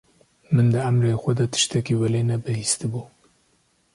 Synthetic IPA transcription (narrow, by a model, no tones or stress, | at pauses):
mɨnd̪ɨamɾeːxʷɛd̪ɐt̪ʰɨ̥ʃt̪ɛkiwɛleːnɛbɨhiːst̪ɨbuː